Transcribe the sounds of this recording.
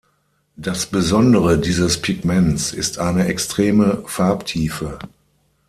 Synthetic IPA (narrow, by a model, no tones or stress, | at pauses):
d̥asb̥əzɔndəʁədiːzəspʰɪɡmɛnt͡sɪstʰʔaɪnəɛkstʁ̥eːməfaɐptʰiːfə